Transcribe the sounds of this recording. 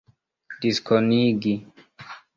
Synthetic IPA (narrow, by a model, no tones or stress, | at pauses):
d̥iskʰɔniɡi